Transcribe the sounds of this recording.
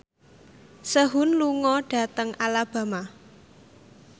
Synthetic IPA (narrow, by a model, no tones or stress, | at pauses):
səɦʊnluŋɔɖ̥ä̤t̪əŋʔalab̥ä̤ma